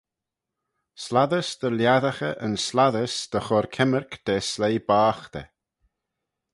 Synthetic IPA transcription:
slaðəsd̪̥əljaðaxə̰ʔənslaðəsd̪̥əxɔɾkʰɛməɾkd̪̥eːslejbaːxt̪ɛ̰

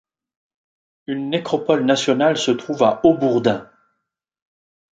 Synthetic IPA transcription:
ynːekχɔpɔlnasjɔnalsət̪χuvaʔobuʁd̪ɛ̃

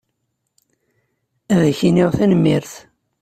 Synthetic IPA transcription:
æðæçinɪʁθænmːiɾθ

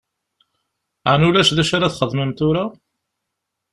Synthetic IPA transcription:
ʕnulæʃðæʃaɾaθχəðməmt̪ʊɾa

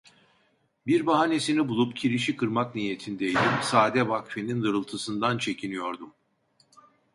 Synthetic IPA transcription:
biɾbaɦane̞sinibulˠupcʰiɾiʃikʰɯɾmaknije̞t̪ʰind̪ejlʲimsaːd̪ɛvakfenind̪ɯɾɯlˠt̪ʰɯsɯnd̪ant͡ʃʰe̞cʰinijo̞ɾd̪um

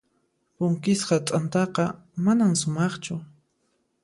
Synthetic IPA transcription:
pʊŋkɪsqɑt͡s̪ʼant̪ɑqɑmanamsʊmɑχt͡ʃʊ

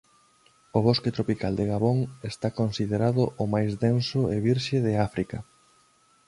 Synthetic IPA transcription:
ʊβ̞osket̪ɾopikald̪eɣaβoŋest̪akonsiðeɾaðʊʔʊmajzðensʊeβiɾʃeðɪafɾikɐ̰

